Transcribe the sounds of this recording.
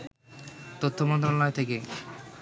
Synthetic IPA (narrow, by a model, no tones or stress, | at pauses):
t̪ot̪ʰːomɔnt̪ɾolɔet̪ʰeke